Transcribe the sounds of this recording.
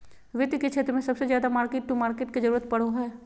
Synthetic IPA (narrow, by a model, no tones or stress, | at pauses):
ʋɪt̪ket͡ʃʰeːt̪ɾəmẽsɐbsezjaːd̪amaːɾkeːʈ̚ʈumaːɾkeːʈkezɐɾuːɾət̪̚pɐɽ̤oɦɛː